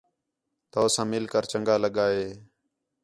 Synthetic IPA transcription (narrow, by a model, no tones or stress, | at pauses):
t̪oːsãːmɪlkəɾt͡ʃəŋɡaːləɠaːɦeː